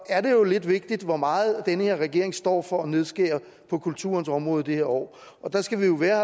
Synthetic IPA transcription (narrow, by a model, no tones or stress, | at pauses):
æɐɾe̝jo̝le̝d̥ʋe̝ɡ̥̚d̥id̥ʋɒmɑ̈ːð̩ˠd̥enəhe̝ɐʁɛɡ̥e̝ɐ̰e̝ŋsd̥ɒ̰ːfɒ̽ːne̝ð̞ˠsɡ̥ḛːɐ | pʰɒ̽kʰult͡sʰṵːɐnsɒ̽mʁɔ̽ːð̞̩ˠid̥iheɐɒ̰ː | ɒ̽d̥ɑ̈sɡ̥æʋijo̝ʋæːɐ